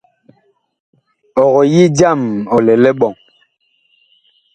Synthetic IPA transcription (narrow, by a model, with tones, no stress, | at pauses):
ɔ˨ɣɔ˨ji˦d͡ʒa˦˨mɔ˨lɛ˨lɛ˦ɓɔ˨ŋ